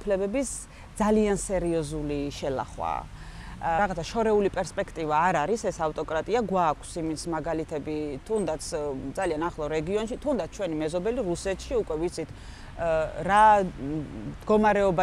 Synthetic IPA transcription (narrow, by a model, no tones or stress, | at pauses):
pʰlɛbɛbis | d̪zaliansɛɾiɔzuliʃɛla̰χwa̰ | ɾaʁat̪ʰaʃɔɾɛulipʼɛɾspʼɛkʰt̪ʼivaːɾaɾisɛsaft̪ʼɔkʼɾat̪ʼiaɡwakʷʰsimit̪sʰmaɡalit̪ʰɛbit̪ʰund̪at̪sʰd̪zalianaχlˠɔɾɛɡiɔnʃit̪ʰund̪at̪sʰt͡ʃʰwɛnimɛzɔbɛliɾusɛt̪ʰʃiukʼwɛvit̪sʰit̪ʰ | ɾa | d̪̥ɡɔmaɾɛɔba